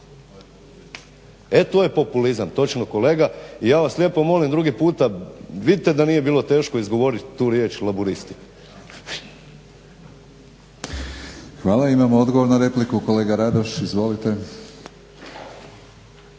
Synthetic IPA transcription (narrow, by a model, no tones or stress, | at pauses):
et̪oːje̞po̞pulizamt̪o̞t͡ʃnoko̞le̞ːɡaijaːʋaslʲje̞ːpo̞mo̞limd̪ɾuɡipuːt̪aʋid̪it̪ed̪anije̞biːlo̞t̪e̞ːʃko̞izɡo̞ʋo̞ɾit̪t̪ːuːɾje̞ːt͡ʃlabuɾist̪i | xʋaːlaimamood̪ɡoʋoɾnaɾe̞plikuko̞leːɡaɾad̪oʃizʋo̞lit̪e̞